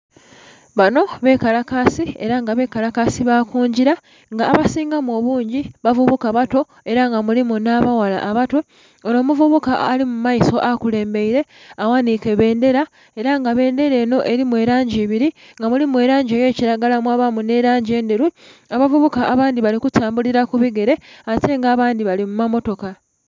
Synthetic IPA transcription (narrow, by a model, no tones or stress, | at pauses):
βano̞βe̞kalakasie̞ɾaŋɡaβe̞ːkalakasiβakuːɲɟiɾa | ŋɡaːβasiːŋɡamo̞βuːɲɟiβavuβukaβato̞ | e̞ɾaŋɡamulimunaβawala̰ʔːβato̞ | oɾo̞ːmuvuβukaːlimumaiso̞ʔakule̞ːmbe̞iɾe̞awanike̞βe̞ːnde̞ɾa | e̞ɾaŋɡaβe̞ːnde̞ɾe̞ːno̞ʔe̞ɾimwe̞ɾaːɲɟiːβiɾi | ŋɡamulimwe̞ɾaːɲɟeje̞ːciɾaɡalamwaβamune̞ɾaːɲɟie̞ːndeɾuaβavuβukaʔːβaːndiβalikutʰaːmbuliɾakuβiɡe̞ɾe̞atʰe̞ŋɡaːβaːndiβalimumamo̞to̞ka